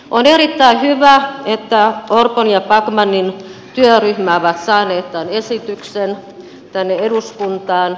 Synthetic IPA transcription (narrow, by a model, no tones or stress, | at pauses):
onerit̪ːæihyʋæet̪ːæorponjɑpɑkmɑnːint̪yøryhmæoʋɑt̪sɑːneːt̪t̪ænesit̪yksen | t̪ænːeeduskunt̪ɑːn